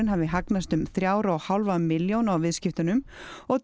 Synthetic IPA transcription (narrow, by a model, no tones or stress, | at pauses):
ɪnɦavɪɦaknast̪ʏmθɾjaːwɾaɔhawlvamɪljownawvɪðscɪft̪ʏnʏmɔɣt̪